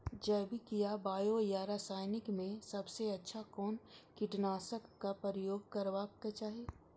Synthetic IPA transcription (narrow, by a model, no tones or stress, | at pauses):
d͡ʒɛːbʱikijabaːjojaɾaːsaːɪnɪkmẽsɐbseɐtːʃʰakɔːnkɪʈnaːsəkːapəɾəjoːɡ̚kɐɾʋaket͡ʃaːɦie